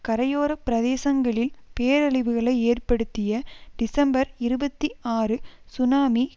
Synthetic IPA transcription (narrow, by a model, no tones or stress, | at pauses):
kɐɾɐjoːɾɐpːɪɾɐðeːsɐŋɡɐɭɪlpeːɾɐɭɪʋɯɣɐɭɐɪeːrpɐɽɯt̪ːɪjɐɖɪsɐmbɐɾɪɾɯbɐt̪ːiaːrɯsʊnaːmi